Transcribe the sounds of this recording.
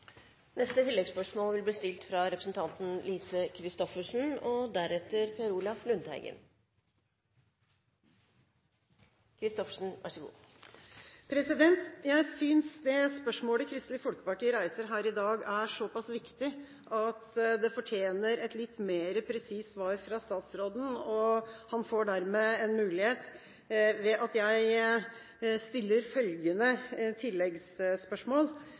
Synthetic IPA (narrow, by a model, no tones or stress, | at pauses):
nɛst̪ət̪ʰɪlːɛɡspœʂmoːlʋɪlbliːst̪ɪlt̪fɾɑɾɛpɾəsn̩t̪ʰɑnt̪n̩liːsəkʰɾɪst̪ɔfəʂn̩ɔd̪æɾɛt̪ːəɾpʰɛɾuːlɑflʉnd̪hæ̰ɪɡə̰n | kʰɾɪst̪ɔfə̥ʂn̩ʋʔæ̰ʂəɡṵː | pʰɾɛsɪd̪ɛnt̪jæɪsyːnsd̪ɛspœʂmoːləkʰɾɪst̪lɪfɔlkə̥pɑʈiːəɾæɪsəɾɦæːɾɪd̪ɑːɡæʂɔpɑsʋɪkt̪ɪ | ʔɑt̪d̪ɛfɔʈʰjeːnəɾɛt̪lɪt̪ːmeːɾəpʰɾɛsiːsʋɑːɾfɾɑst̪ɑːt̪sɾoːd̪n̩ɔhɑnfoːɖæɾmeɛnmʉːlɪheːt̪ | ʋɛʔɑt̪jæɪ | st̪ɪlːəɾfœlɡənət̪ʰɪlːɛɡsspœʂmoːl